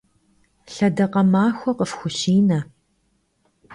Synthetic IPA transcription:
ɬɐdɐqɐmaːxʷɔqəfxʷʊɕiːnɐ

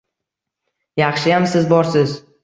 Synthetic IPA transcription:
jɑχʃɪjamsɪzbɒɾsɪz

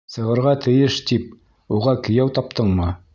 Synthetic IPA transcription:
sɤ̆ʁɤ̆ɾʁɑt̪ʰɘ̆jɘʃt̪ip̚ | uʁɑkɵ̆jæwt̪ɑp̚t̪ɤɴmɤ

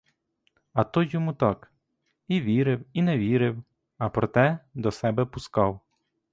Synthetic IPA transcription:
ɐt̪ɔjɔmut̪ɑk | iʋʲiɾɪwinɛʋʲiɾɪw | ɐpɾɔt̪ɛd̪ɔsɛbɛpʊskɑw

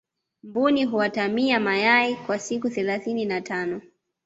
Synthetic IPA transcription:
mbuniɦuatamiamajaikwasikuθɛlaθininatanɔ

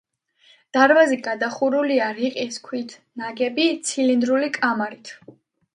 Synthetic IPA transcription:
d̪̥aɾvaziɡad̪aχuɾuliaɾiqʼiskʰwit̪ʰnaɡɛbit̪sʰilind̪ɾulikʼamaɾit̪ʰ

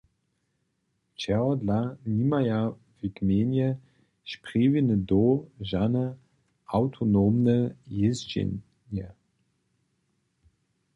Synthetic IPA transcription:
t͡ʃɛɔdlanimaja | v̥ikmeːnjə | ʃpʁ̥iːvinədoʒanə | ʔaʊtʰonoːmnəjezd͡ʒḛn | jə

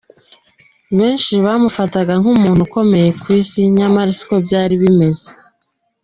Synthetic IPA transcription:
βe̞ːnʃiβaːmufataɡaŋhumuːn̥huko̞me̞je̞kwiːsiɲamaɾisi̥ko̞bɟaːɾiβime̞ze

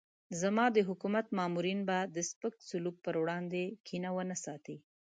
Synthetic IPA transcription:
zamɑd̪əɦʊkumat̪mɑmuɾinbad̪əspəksʊluk̚pəɾwɽɑnd̪ekʰinawənasɑt̪i

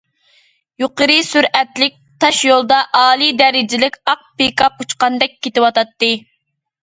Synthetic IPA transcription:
juqəɾɨsyɾɛt̪lɪk̚ʲt̪ʰɑʃjolˠd̪ɑʔɑːlˠid̪ɛɾɪd͡ʒɪlɪkʲɑq̚pekʰɑp̚ut͡ʃqɑnd̪ɛk̚ʲʰːet̪ɪwɑt̪ɑt̪ːɨ

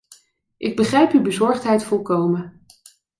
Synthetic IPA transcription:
ʔɪɡ̚bəχrɛjpybəzɔɹχtɦɛjtfɔlˠkowmə

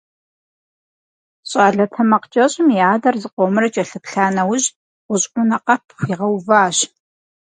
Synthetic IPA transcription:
ɕʼaːɮɐtʰɐmɐqt͡ʃʼɐɕʼɪmjaːdɐrzɨqʷomɨrɐt͡ʃʼɐɬɨpɬaːnɐwʊʑ | ʁʷʊɕʼʔʷʊnɐqɐpʰxʷiʁɐwvaːɕ

